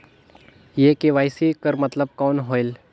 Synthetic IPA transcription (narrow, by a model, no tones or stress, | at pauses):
jekeʋaːɪsikəɾmɐt̪ləb̚kɔːnɦoːɪl